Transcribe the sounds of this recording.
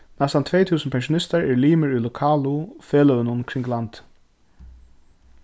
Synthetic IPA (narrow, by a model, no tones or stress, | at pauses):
nɛst̪ant̪ʰveːjt̪ʰuːsənpʰɛnʃʊnɪst̪aɹɛɹliːmɪɹulʊkʰaːlʊfɛːlœwɪnʊnkʰɾɪŋɡlant̪